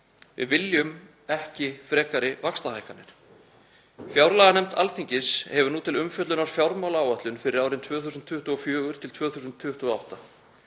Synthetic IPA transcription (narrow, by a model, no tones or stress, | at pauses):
vɪ̰ðvɪljʏm | ɛhcɪfɾɛːkaɾɪvakst̪ahaːjkanːɪɾ̥ | fjawɾlaːɣanɛmt̪a̰lθiɲcɪshɛvʏɾnuːt̪ʰɪlʏmfjœt̪lʏnaɾ̥fjawɾmawlaːwat̪lʏnfɪɾɪɾaːwɾɪnt̪ʰvœːθusʏnt̪ʰːʏht̪uɔfjœːɣʏɾ̥t̪ʰɪlt̪ʰvœːθusʏnt̪ʰːʏht̪uɔa̰wht̪a